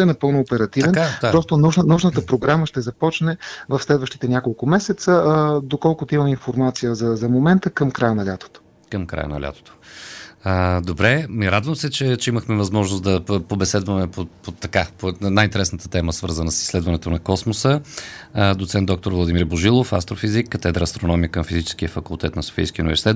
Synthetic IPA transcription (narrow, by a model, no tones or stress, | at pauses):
ɛnɐpɤlˠnʊːpɛɾɐt̪ivɛnaɾɔst̪onuʃnnuʒnət̪əpɾoɡɾaməʃt̪ɛzɐpɔt͡ʃnɛvɐfslɛd̪vəʃt̪it̪ɛnʲakolˠkʊmɛsɛt̪səd̪okɔlˠkʊt̪oimɐminfoɾmat̪sijəzɐzɐmomɛnt̪əkəmkɾajənɐlʲat̪o̥t̪o̥ | kəmkɾa̰jə̰nɐ̰lʲa̰t̪o̥t̪o̥ | əd̪obɾɛmiɾad̪vəmsɛt͡ʃɛt͡ʃɛiməxmɛvɐzmɔʒnosd̪ɐpobɛsɛd̪vəmɛpopot̪ːɐkaponajint̪ɛɾɛsnət̪ə̥t̪ɛməsvə̰ɾzənəsi̥slɛd̪vɐnɛt̪onɐkɔsmosə | d̪ot̪sɛnt̪ɔk̚t̪oɾvlˠɐd̪imiɾboʒilˠofast̪ɾofizikːət̪ɛd̪ɾəːst̪ɾonɔmijəkəmfizit͡ʃɛ̥sk̟iəfɐkulˠt̪ɛt̪nɐso̥fḭjskʲiṵnivɛɾsit̪ɛt̪